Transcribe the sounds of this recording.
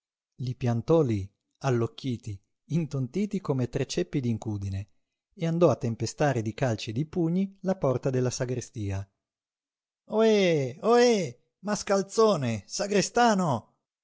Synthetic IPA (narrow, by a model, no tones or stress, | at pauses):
lipjant̪ɔli | alːokːiːt̪iː | nt̪ont̪iːt̪ikomet̪ɾet͡ʃːepːid̪iŋkuːd̪ine | eand̪ɔat̪ːempest̪aːɾed̪ikalt͡ʃed̪ipuɲːilapɔrt̪ad̪elːasaɡɾest̪iːa | oeoe | maskalt̪soːnesaɡɾest̪aːno